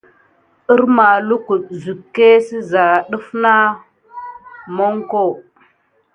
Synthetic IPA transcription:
i˦ɾma˨lu˦ku˨zu˨kːe˦si˦za˨ɗu˦fna˦ | mo˦ŋko˦˨

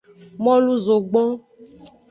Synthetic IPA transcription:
mɔ̃˦lu˦zo˨ɡ͡bɔ̃˦

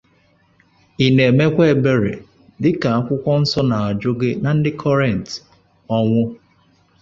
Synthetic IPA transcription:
i˨ne˨e˨me˦kʷe˦e˨be˦ɾḛ˨ | dɪ˦ka˨a˦kʷʊ˦kʷɔ˦n̩˦sɔ˦na˨a˨d͡ʒo˦ɡe˦na˨n̩˦dɪ˦kʰɔ˦ɾɛ˨n̩˨t | ɔ˦ŋʷʊ˦

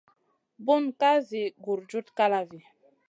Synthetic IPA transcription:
bu˦nka˦zi˨ɡu˨ɾd͡ʒu˦tka˦la˨vi˨

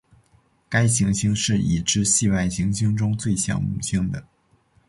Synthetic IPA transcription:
ka˥ɪɕi˧˥ŋɕi˥ŋʂɻ̩˥˩ḭ˨˩ʈ͡ʂɻ̩˥ɕi˥˧wa˥˩ɪɕi˧˥ŋɕi˥ŋʈ͡ʂʊ˥ŋt͡swe˥˩ɪɕjɑ̰˨˩ŋmṵ˨˩ɕi˥ŋd̪ə˨

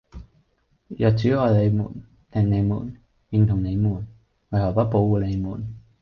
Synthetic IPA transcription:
jœː˨˩t̚t͡syː˨˥ɔː˨jle˨˧jmṵː˨˩n | t̪ɛ˨˧ŋne˨˧jmuː˨˩n | jɪ˨˧ŋt̪ʰʊ˨˩ŋne˨˧jmuː˨˩n | wɐ˨jhɐ˨˩wpɐ˥t̚po˨˧˥wuː˨˧le˨˧jmuː˨˩n

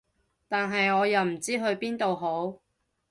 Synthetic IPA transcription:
t̪aː˨nɦɐ˨jɔː˨˧jɐ˨˧wm̩˨˩t͡siː˥ɦɵ˧ɥpiː˥nt̪o˨wɦo˨˥w

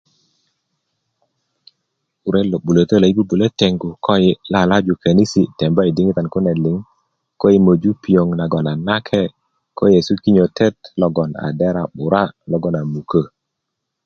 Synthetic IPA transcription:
u˨ɾɛ˦lo˨ɓu˨lo˨t̪ə˦la˨i˦bu˦bu˨le˦tɛ˨ŋɡu˨kɔ˦jɪ˦la˦˨la˦d͡ʒu˨kʰa˨ni˦si˨tɛ˨mbɔ˦i˨dɪ˦ŋi˦ta˨nkʊ˦nɛ˨lɪ˨ŋ | kɔ˦i˦mo˨d͡ʒu˦pi˨o˨ŋna˨ɡɔ˨na˨na˦kʰɛ˦ | kɔ˦je˨su˦ki˦ɲo˨tʰɛ˦t̚lɔ˦ɡɔ˨na̰˨dɛ˦ɾa˨ɓʊ˨ɾa˦lɔ˦ɡɔ˦na˨mu˨kə˦

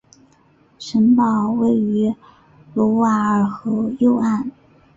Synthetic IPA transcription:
ʂə˧˥npɑ˥˩ʊwe˥˩ɪy˧˥ | lɔ˧˥wa˥ə˥˨˩xɤ˧˥jo˥˧ʊa˥˩n

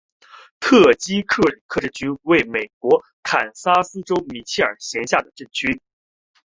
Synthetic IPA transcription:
t̪ʰɤ˥˩t͡ɕi˥kʰɤ˥˩li˨˩kʰɤ˥ʈ͡ʂɻ̩˥˩t͡ɕy˥nwe˥˩ɪme˨˩ɪkwɔ˧˥ | k̪ʰa˨˩nsa˥sɹ̩˥ʈ͡ʂo˥ʊmi˧˥t͡ɕʰi˥ə̰˞˨˩ɕjɛ˧˥nɕja˥˩d̪ə˩ʈ͡ʂɤ˥˩ŋt͡ɕʰy˥

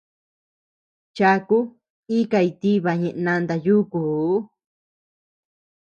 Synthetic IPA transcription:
t͡ʃa˧ku˦ | i˦ka˧i˧t̪i˦βa˧ɲẽ˧ʔnã˧nd̪a˧ju˦kuː˨˦

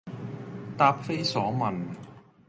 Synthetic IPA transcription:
t̪aː˧p̚fe˥jsɔː˨˥mɐ˨n

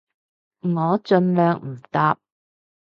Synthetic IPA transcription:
ŋɔː˨˧t͡ʃɵ˧nlœː˨ŋm̩˨˩t̪aː˧p̚

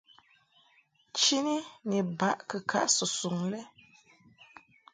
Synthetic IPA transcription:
t͡ʃi˦ni˦ni˨ba˦˨ʔkə˨kʰa̰˦ʔsu˨su˨ŋlɛ˦

